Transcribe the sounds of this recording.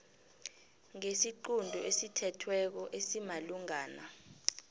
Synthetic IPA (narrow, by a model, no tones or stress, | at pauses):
ŋesiǃundʱɔesitʰɛtʰwɛk̬ɔʔesimaluŋaːna